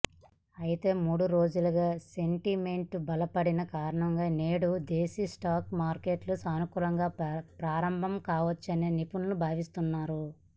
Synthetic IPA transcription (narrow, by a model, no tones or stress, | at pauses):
ɐjit̪e̞ːmuːɽuɾo̞ːd͡ʒuluɡaːse̞ɳʈime̞ɳʈbɐlɐpɐɽinɐkaːɾɐɳɐŋɡaːneːɽud̪eːsisʈaːkmaːɾke̞ʈlusaːnukuːlɐŋɡaːpɾaːɾɐmbʱɐmkaːʋɐt͡ʃːɐne̞ːnipunɐnubʱaːʋist̪unːaːɾu